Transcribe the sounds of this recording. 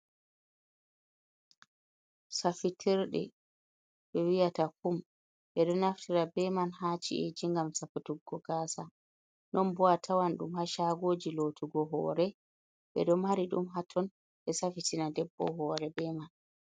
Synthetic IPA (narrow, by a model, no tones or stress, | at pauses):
safitʰiɾɗɛ̰ | ɓɛwijatakum | ɓɛɗɔnaftʰiɾabɛmanhaːt͡ʃḭʔed͡ʒiŋɡamsafutuɡːɔɡaːsa | nɔnbɔatʰawanɗumhaʃaɡoːd͡ʒilotʰuɡɔɦɔ̰ːɾɛ | ɓɛ̰ɗɔmaɾiɗṵmɦatʰɔn | ɓɛsafitinadɛbːɔ̰ɦɔːɾɛbɛman